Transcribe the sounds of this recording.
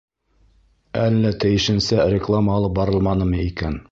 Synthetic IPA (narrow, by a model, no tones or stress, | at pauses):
ælːæt̪ɘ̆jɘ̆ʃɘ̆nsærʲɪklˠaməːlˠɤp̚bɑɾɤlˠmɑnɤmɤikæn